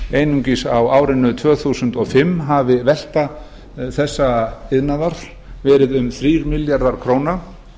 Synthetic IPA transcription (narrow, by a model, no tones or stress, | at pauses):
eːjnuɲcisawaːwɾɪnʏt̪ʰvœːθusʏnt̪ɔɣfɪmːɦavɪvɛl̥t̪a | θɛsːaɪðnaðaɾ̥ | vɛːɾɪðʏmθɾiːɾmɪljaɾðaɾ̥kʰɾoːwna